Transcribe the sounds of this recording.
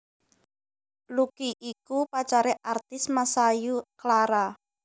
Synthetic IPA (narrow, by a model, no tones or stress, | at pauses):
lukiʔikupat͡ʃaɾɛʔart̪ɪsmasajuklaɾa